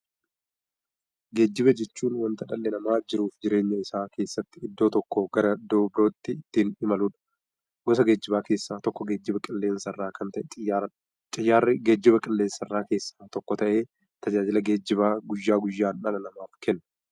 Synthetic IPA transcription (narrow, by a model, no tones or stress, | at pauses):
ɡe̞ːd͡ʒːɪβɐd͡ʒɛt͡ʃːuːnwɐnt̪ɐᶑɐlːɛnɐmaːd͡ʒɪɾuːfd͡ʒɪɾe̞ːɲːɐɪsaːkʰe̞ːsːɐt̪ːɪɪd̪ːo̞ːt̪ɔkːɔɡɐɾɐd̪oːbɪɾo̞ːt̪ːɪɪt̪ːiːnɪmɐluːᶑɐ̥ | ɡɔsɐɡe̞ːd͡ʒːɪbaːke̞ːsːaːt̪ɔkːɔɡe̞ːd͡ʒːɪbɐkʼɪlːe̞ːnsɐrːaːkʰɐnt̪ɐʔɛt̪ʼɪjːaːɾɐᶑ | t͡ʃʼɪjːaːɾːɪɡeːd͡ʒːɪbɐkʼɪlːeːnsɐrːaːke̞ːsːḁːt̪ɔkːɔt̪ɐʔe̞ː | t̪ɐd͡ʒaːd͡ʒɪlɐɡe̞ːd͡ʒːɪβaːɡʊjːaːɡʊjːaːnᶑɐlɐnɐmaːfkʰɛnːɐ